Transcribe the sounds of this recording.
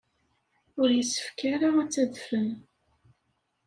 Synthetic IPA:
ʊɾjəsːə̥fkaɾaæt͡sːæðfən

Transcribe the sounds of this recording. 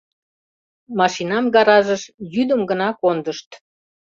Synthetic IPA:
mɑʃinɑmɡɑɾɑʒəʃjyd̪əmɡənɑkond̪əʃt̪

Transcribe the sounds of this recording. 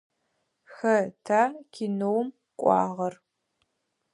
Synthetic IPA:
xɐtʰaːkʲʰinowm | kʷʼɑ̰ːʁɐr

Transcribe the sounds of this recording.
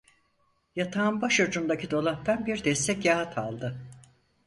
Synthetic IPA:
jat̪ʰaːnbaʃod͡ʒund̪acʰid̪o̞lˠaht̪anbiɾd̪ɛst̪ʰɛcjaɦat̪ʰa̰lˠd̪ɯ

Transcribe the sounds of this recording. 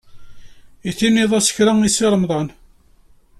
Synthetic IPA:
iθinːiðˤæsə̥çɾaŋisiɾˤəmðˤɑn

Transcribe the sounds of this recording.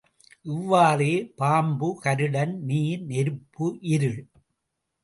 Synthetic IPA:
ʔɪʋːaːɾeːpaːmbɯkɐɾɯɽɐnniːɾnɛɾɯpːɯʔɪɾɯɭ

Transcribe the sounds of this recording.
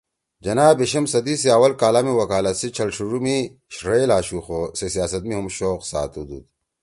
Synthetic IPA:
d͡ʑɐnaːbeɕɐmsɐd̪iseaːwɐlkaːlaːmiwɐkaːlɐt̪sit͡ɕʰɐlʂʰuɾumi | ɕɾeːlaːɕuxosesijaːsɐt̪̚miɦumɕoːqsa̰ːt̪ud̪ṵt̪

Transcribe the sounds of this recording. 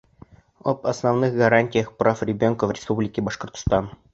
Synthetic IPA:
opɐsnɐvnɨxɡɐɾanʲtʲɪjəxprafrʲɪbʲonkəvrʲɪspublʲɪkʲɪbɐʂkə̆rt̪st̪ɑn

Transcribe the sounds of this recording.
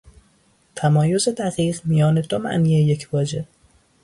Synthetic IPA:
t̪ʰæmɒːjo̞ze̞d̪æɣiːɢmijɒːne̞d̪o̞mæ̰ʔniːejecʰvɒːd͡ʒe

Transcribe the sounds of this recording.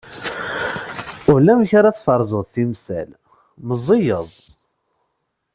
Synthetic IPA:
ʊɾlæmçaɾaθfɑɾˤzˤəðˤθimsæ̰l | məzˤːijəðˤ

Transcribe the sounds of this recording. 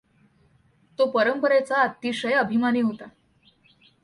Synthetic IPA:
t̪opəɾəmpəɾet͡saːt̪ːiʂəjəbʱimaniːɦot̪a

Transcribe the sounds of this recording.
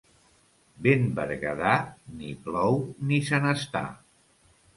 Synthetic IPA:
benbə̰ɾɣəðaniplɔwnisənəst̪a̰

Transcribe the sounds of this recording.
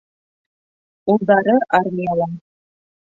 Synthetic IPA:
ulˠd̪ɑɾɤʔarmʲijalˠɑ

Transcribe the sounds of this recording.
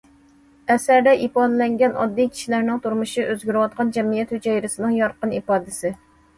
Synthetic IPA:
ɛsæɾd̪ɛʔipɑd̪lɛŋɡʲɛnɑ̰d̪ːikʲʰi̥ʃilæɾnɪŋt̪ʰuɾmuʃiʔøzɡʲyɾɪwɑt̪̚qɑnd͡ʒɛmijɛt̪hyd͡ʒɛjɾɪsɨnɨŋjɑɾqənipɑːd̪ɪsɪ

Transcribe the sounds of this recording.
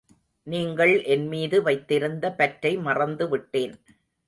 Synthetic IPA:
niːŋɡɐɭʔɛnmiːðɯʋɐɪt̪ːɪɾɯnd̪ɐpɐʈɾɐɪmɐrɐnd̪ɯʋɪʈːeːn

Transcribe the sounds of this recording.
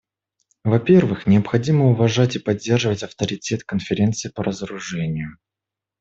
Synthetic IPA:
vɐpʲe̞rvɨxnʲɪəpxɐdʲiməʊvɐʐatʲɪpɐdʲːe̞rʐɨvətʲɐft̪əɾʲɪtʲe̞t̪kənfʲɪɾʲe̞nt̪sɨɪpəɾʔəzəɾʊʐɛnʲɪjʊ

